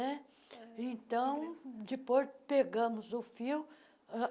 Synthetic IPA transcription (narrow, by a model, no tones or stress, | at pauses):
ɛ | ẽnt̪ɐ̃w̃d͡ʒɪpojpeɡɐ̃mʊzʊfiw